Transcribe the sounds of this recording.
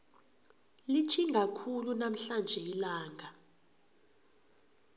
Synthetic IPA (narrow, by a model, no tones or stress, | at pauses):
lit͡ʃʰiŋɡʱakʰulunam̩ɬand͡ʒʱɛilaːŋɡʱa